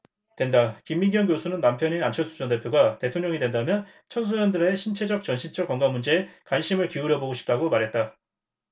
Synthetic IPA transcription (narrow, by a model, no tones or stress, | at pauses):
twe̞ndakimːiɡjʌnɡjosʰunɯnːampʰjʌninant͡ɕʰʌnsʰu̥d͡ʑʌnde̞pʰjoɡate̞tʰoŋɲʌŋidwe̞ndamjʌn | t͡ɕʰʌnsʰojʌndɯɾe̞ɕʰint͡ɕʰe̞d͡ʑʌk̚t͡ɕʌnɕʰint͡ɕ͈ʌkwʌŋɡamːund͡ʑe̞ːkwanɕʰimɯɭkiuɾjʌboɡoɕʰi̥p̚t͈aɡomaɾɦe̞t̚t͈a